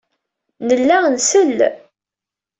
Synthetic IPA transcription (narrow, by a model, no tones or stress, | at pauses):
nəlːænsəl